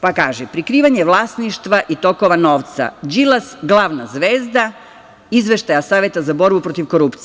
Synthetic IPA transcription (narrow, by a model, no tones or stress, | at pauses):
pakaːʒepɾikɾiːʋaɲeʋlˠasniʃt̪ʋaʔit̪o̞koʋano̞ːʋt̪sa̰d͡ʒilasɡlˠaːʋnazʋeːzd̪a | izʋe̞ʃt̪ajasaːʋje̞t̪azabo̞ɾbupɾo̞t̪iʋko̞ɾupt̪si